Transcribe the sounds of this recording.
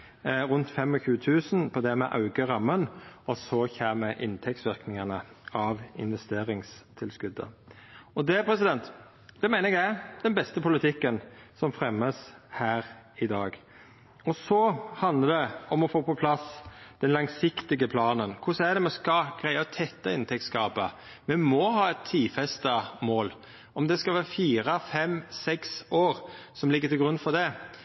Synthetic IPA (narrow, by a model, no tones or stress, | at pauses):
ɾʉnt̪fɛmːɔçʉːət̪ʰʉːsnpʰɔd̪ɛmɛʔɑʉɡəɾɑmːənɔsɔçæːɾmɛʔɪnt̪ʰɛktsʋɪʁknɪŋɑnəɑʋɪ̰nʋɛst̪eːɾɪŋst̪ʰɪlskʉd̪ːə̰ɔd̪ɛpʰɾɛsɪd̪ɛnt̪ | d̪̥ɛmæɪnəɛɡæd̪̥ɛnbɛst̪əpʰʊlɪt̪ʰɪkːənsɔmfɾɛmːəshæːɾɪd̪ɑːɡ | ɔsɔhɑnd̪əd̪ɛɔmɔfoːpɔpʰlɑsd̪̥ɛnlɑŋsɪkt̪ɪɡəpʰlɑːnənkʰʊsæd̪ɛmɛskɑɡ̥ɾæɪəɔt̪ʰɛt̪ːɑɪnt̪ʰɛkt̪skɑːpə̰ | mɛmɔɦɑːɛt̪ʰːiːfɛst̪əmoːl | ɔmd̪ɛskɑlʋæːɾəfiːɾəfɛmsɛksoːɾsɔmlɪɡːət̪ʰɪlɡɾʉnfɔd̪ɛ